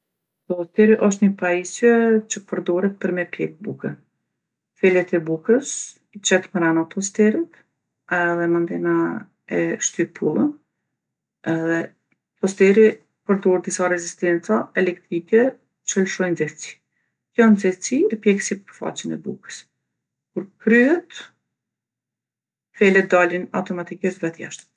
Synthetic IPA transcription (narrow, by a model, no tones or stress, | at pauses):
t̪ɔst̪ɛɾiʔɔʃ̬t̪ɲəpaisjɛt͡ʃəpəɾd̪ɔɾɛt̪̚pəɾmɛpjɛ̰k̚bukə | fɛlɛt̪ɛbukəs | it͡ʃɛt̪məɾanap̪ɔs̬t̪ɛɾit̪ | ɛðɛmand̪ɛna | ɛʃt̪ypʰulˠən | ɛðɛ | pɔst̪ɛɾi | pəɾd̪ɔɾd̪isaɾɛzist̪ɛnt͡saɛlɛkt̪ɾikɛ | t͡ʃəlʃɔjnd͡zɛft͡si̥ | kjɔnd͡zɛvt͡sipjɛksipəɾfa̰t͡ɕənɛ̰bṵkə̥s | kuɾkɾyɦɛt̪ | fɛlɛt̪̚d̪alina̰wt̪ɔmat̪ikiʃt̪vɛt̪ja̰ʃt̪